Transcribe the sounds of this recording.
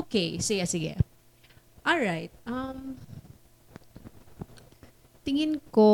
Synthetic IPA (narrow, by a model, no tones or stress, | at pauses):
ʔokejsɪɡɛsɪɡɛ̰ | ʔɔlɹajt̪̚ʔɐm | t̪ɪŋɪnko